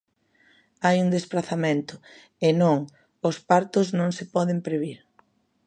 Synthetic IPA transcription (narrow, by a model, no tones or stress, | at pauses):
ajuŋd̪espɾaθamẽnt̪ʊ | ɪnõŋ | ʊspaɾt̪ʊznõŋsɪpɔðɪmpɾeβiɾ